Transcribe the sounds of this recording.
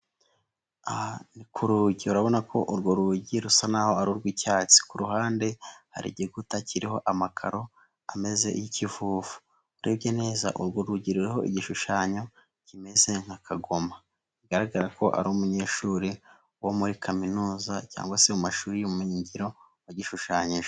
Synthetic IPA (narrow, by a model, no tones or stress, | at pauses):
ahanikʰuɾuɟiuɾaβo̞nakʰo̞ʔuɾɡoɾuɟiɾusanaːho̞aɾuɾɡwicaːt͡si̥kuɾuɦaːnde̞ha̰ɾḭɟeɡutaciɾiho̞ʔamakʰa̰ɾo̞ | ame̞ze̞̰jicivuːvu̥ | uɾibɟene̞ːzaʔuɾɡoɾuɟiɾuɾiɦo̞ʔḭɟiʃuʃaːɲo̞ | cime̞ze̞ŋ̥hakʰaɡo̞ma | iɡaɾaɡaɾako̞ʔa̰ɾoumuɲe̞ːʃuːɾi | womuɾikʰaminuːzaca̰ːŋɡwaseumaʃuːɾijomumiɲiɲɟiɾo̞waɟiʃuʃaːɲiʒe